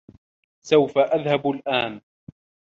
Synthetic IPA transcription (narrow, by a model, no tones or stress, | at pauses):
sawfaʔaðhablʔaːn